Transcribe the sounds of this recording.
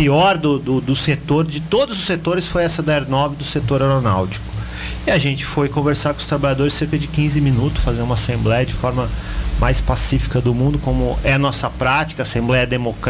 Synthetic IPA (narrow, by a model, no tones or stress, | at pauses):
iɔɾd̪ʊd̪ʊd̪ʊset̪oɾd͡ʒɪt̪od̪ʊzʊsːet̪oɾɪsfojɛsɐd̪ɐeɾnɔbɪd̪ʊset̪oɾewɾonawt͡ʃi̥kʊ̥ | iaʒẽnt͡ʃɪ̥fojkõveɾsaɾkõʊst̪ɾabaʎad̪oɾɪsːeɾkɐd͡ʒɪkĩzɪmĩnut̪ʊ̥sfazẽnũmasẽmblɛjɐd͡ʒɪfɔɾmɐ | majspasifi̥kɐd̪ʊmũnd̪ʊkõmʊɛɐnɔsɐpɾat͡ʃi̥kɐːsẽmblɛjɐd̪emok